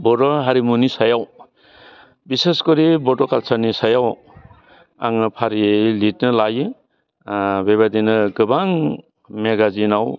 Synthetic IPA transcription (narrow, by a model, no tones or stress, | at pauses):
bɔdɔɦaɾimunisajaw | biseskɔɾibɔdɔkalsaɾnisajaw | a̰ŋɯpʰaɾilit̚nɯlajɯ | beβadinɯɡɯbaŋ | meɡazinaw